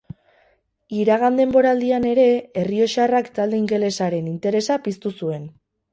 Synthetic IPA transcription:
iɾaɣ̞and̪e̞mbo̞ɾaːld̪iane̞ɾe̞erio̞ʃarakt̪ald̪e̞iŋɡe̞le̞saɾe̞nint̪e̞ɾe̞sapist̪usue̞n

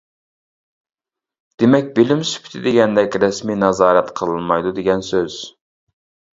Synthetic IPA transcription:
d̪̥emɛkʲbelɪmsy̥pʰi̥t̪ʰɪd̪ɪɡʲɛnd̪ɛkʲɾɛsminɑzɑːɾɛt̪qʰəlˠɨnmɑjd̪ud̪eɡʲɛnsøz̥

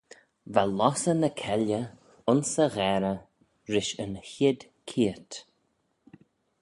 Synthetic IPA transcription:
valɔsənəkʰɛljə | ʊnsəɣɛɾə | ɾɪʃənhɪd̪ | kʰiət̪

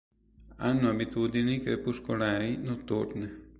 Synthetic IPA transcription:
anːũabit̪ud̪inĩkepuʂkoɾainũt̪uɾne

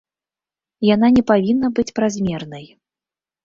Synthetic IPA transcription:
jananʲɛpavʲinːɐbɨt͡sʲpɾazʲmʲɛrnɐj

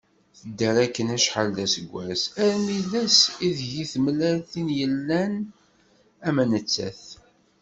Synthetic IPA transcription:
θəd̪ːəɾækːənæʃħald̪æsəɡʷːæsæɾmilæsiðʝiθmlælθinjəlːæn | æmænət͡sːæ̰θ

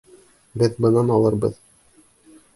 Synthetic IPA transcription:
bɘðbɤ̆nɑnɑlˠɤɾbɤ̰ð

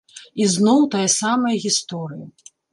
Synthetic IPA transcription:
iznɔwt̪ajɐsamɐjɐɣʲist̪ɔɾɨjɐ

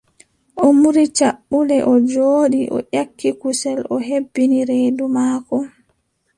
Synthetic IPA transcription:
ʔɔmuɾit͡ʃaɓːulɛʔɔd͡ʒoːɗiʔɔ̰ʔakʰːikusɛlɔɦebːiniɾedumaːkɔ

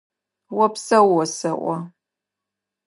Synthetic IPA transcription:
wɔpsɐwːɔsɨʔʷɔ

